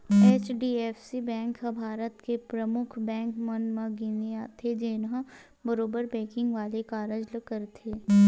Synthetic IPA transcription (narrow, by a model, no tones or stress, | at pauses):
eːt͡ʃɖiːɛːfsibɛ̃ːŋkɦə̃bʱaːɾət̪kepɾəmʊkʰbɛ̃ːŋkmənmə̃ɡɪneat̪ʰed͡ʒeːnɦã | bəɾoːbəɾbɛ̃ːkɪ̃ŋɡʋaːlekaːɾəd͡ʒləkəɾt̪ʰeː